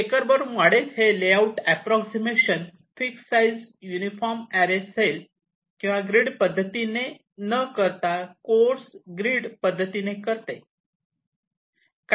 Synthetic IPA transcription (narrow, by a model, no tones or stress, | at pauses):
ekəɾbəɾumaɽet͡sɦeleauʈæpɾɔksimeɕən | fiksaid͡zjunifɔɾmæɾesel | kĩw̃ʋaɡɾiɖpəd̪ʱːət̪ine | nəkəɾt̪akoɾsɡɾiːɽpəd̪ʱːət̪inekəɾt̪e | k